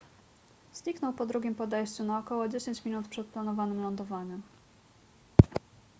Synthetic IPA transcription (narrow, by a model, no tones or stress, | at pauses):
z̥ɲiknɔwpɔd̪ɾuɡʲimpɔd̪ɛjɕt͡ɕunaɔkɔwɔd͡ʑeɕeɲt͡ɕmʲinut̪pʂɛt̪̚planɔvanɘmlɔnd̪ɔvaɲɘm